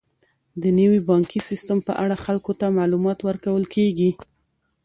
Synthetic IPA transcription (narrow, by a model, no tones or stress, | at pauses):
d̪ənəwibɑŋkisist̪əmpə̰ʔaɽaxalkot̪amalumɑt̪wəɾkawəlkeɡi